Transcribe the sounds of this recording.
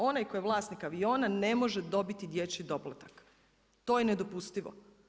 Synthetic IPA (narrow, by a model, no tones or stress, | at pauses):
o̞najko̞jeʋlˠaːsnikaʋio̞ːnane̞mo̞ʒed̪o̞bit̪id̪jet͡ɕid̪oplat̪ak | t̪o̞ːjened̪o̞pust̪iʋo̰